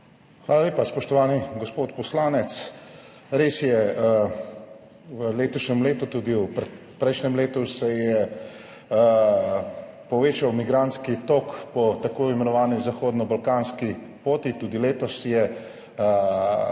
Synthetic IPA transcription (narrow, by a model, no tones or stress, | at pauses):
xʋaːlaleːpaspɔʃt̪ɔʋaːniɡɔspoːt̪pɔslaːnɛt̪s | ɾeːsjɛ | ʋəleːt̪ɔʃnɛmleːt̪ut̪uːd̪iwp | pɾɛɪjʃnɛmleːt̪usɛjɛ | pɔʋeːt͡ʃawmiɡɾant̪skit̪okpɔt̪akoːimɛnɔʋaːnizaxoːd̪nɔbalkaːnski | poːt̪it̪uːd̪ileːt̪ɔsjɛ